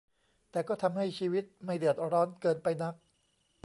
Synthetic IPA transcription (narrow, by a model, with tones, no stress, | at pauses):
t̪ɛː˨˩kɔː˥˩t̪ʰa˧mha˥˩jt͡ɕʰiː˧wi˦˥t̪̚ma˥˩jdɯ˨˩ət̪̚ɾɔː˦˥nkɤː˧npa˧jna˦˥k̚